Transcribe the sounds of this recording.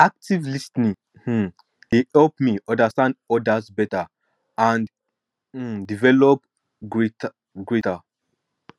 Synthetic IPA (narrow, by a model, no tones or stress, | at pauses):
ak̚tivlisnĩ | h̩ | d̥ehɛlpmiʔɔ̃ndastãndɔdasbɛta | ãn̩ | divɛlɔp̚ | ɡɹet | ɡɹeta